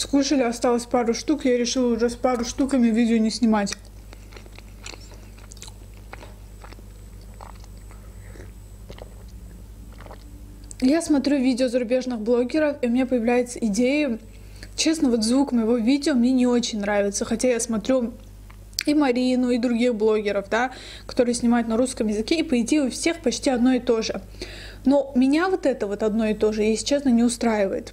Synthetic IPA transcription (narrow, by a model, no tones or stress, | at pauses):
skuʂəlʲɪɐst̪alˠəsʲpaɾʊʂt̪ukjaɾʲɪʂɨlˠəʊʐɛspaɾʊʂt̪ukəmʲɪvʲidʲɪonʲɪsʲnʲɪmatʲ | jasmɐt̪ɾʲuvʲidʲɪozəɾʊbʲe̞ʐnɨɣblˠo̞ɡʲɪɾəfiʊmʲnʲepəjɪvlʲæjɪt̪səɪdʲejə | t͡ɕe̞snəvo̞t̪zvukəməjɪvo̞vʲidʲɪomnʲe̞nʲɪo̞t͡ɕɪnʲnɾavʲɪt̪səxɐtʲajasmɐt̪ɾʲu | imɐɾʲinʊid̪ɾʊɡʲixblˠo̞ɡʲɪɾəfd̪a | kɐ̥t̪o̞ɾɨjəsʲnʲɪmajʊt̪nɐɾuskəmjɪzɨkʲeipəɪtʲiʊfsʲe̞xpɐt͡ɕtʲiɐd̪no̞ɪt̪o̞ʐɨ | no̞mʲɪnʲavo̞t̪ɛt̪əvo̞t̪ɐd̪no̞ɪt̪o̞ʐɨjesʲt͡ɕːe̞snənʲɪʊst̪ɾajɪvəjɪt̪